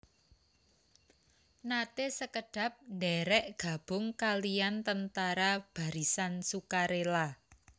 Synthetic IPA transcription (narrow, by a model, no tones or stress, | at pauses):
nat̪esəkəɖ̥ä̤p̚ndɛɾɛʔɡ̥a̤b̥ʊ̤ŋkaliant̪ənt̪aɾab̥ä̤ɾisansukaɾela